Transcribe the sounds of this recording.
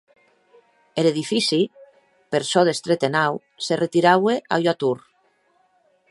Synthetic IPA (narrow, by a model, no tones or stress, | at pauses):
eleðifisi | peɾsɔðest̪ɾet̪enaw | seret̪iɾawea̰ʎat̪uɾ